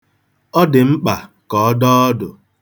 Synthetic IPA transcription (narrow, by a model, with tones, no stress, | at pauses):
ɔ˦dɪ˨ŋ͡m̩˦k͡pa˨kɔ˨ɔ˦dɔ˦ɔ˦dʊ˨